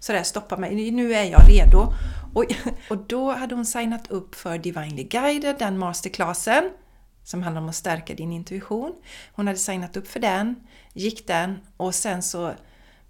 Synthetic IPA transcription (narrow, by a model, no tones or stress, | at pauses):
sɔd̪æːɾst̪ɔpːamɛjnʉ̟ːæɾjɑ̰ːɾeːd̪ʊɔɔd̪ɔhad̪ːəhʊnsajnat̪ʰɵpːfœɾɖ̪ɪvajnlɪɡajd̪əɖ̪ɛnmɑːst̪əɾkʰlɑːsən | sɔmhand̪aɾɔmɔst̪æɾkad̪ɪnɪnt̪ɵɪɧuːnhʊnhad̪ːəsajnat̪ɵpːfœɖɛn | jɪkːd̪ɛnɔsɛnsɔ